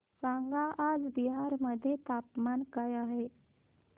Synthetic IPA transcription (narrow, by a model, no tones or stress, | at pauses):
saŋɡaʔad͡zbiɦaɾməd̪ʱːjet̪apmankajaɦe